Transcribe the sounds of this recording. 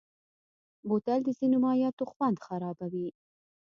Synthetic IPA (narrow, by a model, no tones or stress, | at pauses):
bot̪ald̪əzinomɑjɑt̪oxwand̪xaɾɑbawi